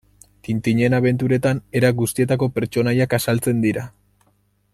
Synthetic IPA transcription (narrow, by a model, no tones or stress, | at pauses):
t̪int̪iɲe̞naβe̞nt̪̬uɾe̞t̪ane̞ɾaɡust̪ie̞t̪ako̞pe̞ɾt͡ʃo̞najakasalt͡se̞nd̪iɾa